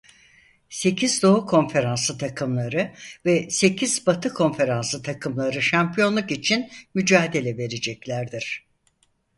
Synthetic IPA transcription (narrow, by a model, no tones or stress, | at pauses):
se̞cʰizd̪o̞ɦukʰo̞nfe̞ɾansɯt̪ʰakʰɯmlˠaɾɯvɛse̞cʰiz̥bat̪ʰɯkʰo̞nfe̞ɾansɯt̪ʰakʰɯmlˠaɾɯʃampʰijo̞nlˠukit͡ʃʰinmyd͡ʒaːd̪e̞lʲɛve̞ɾed͡ʒɛclʲæɾd̪iɾ̥